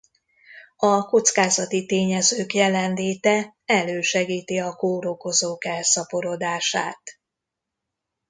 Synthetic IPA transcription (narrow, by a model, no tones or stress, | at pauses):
ɒko̞t̪skaːzɒt̪it̪eːɲɛzøːkjɛlɛnleːt̪ɛ | ɛløːʃɛɡiːt̪iɒkoːɾo̞ko̞zoːkɛlsɒpo̞ɾo̞d̪aːʃa̰ːt̪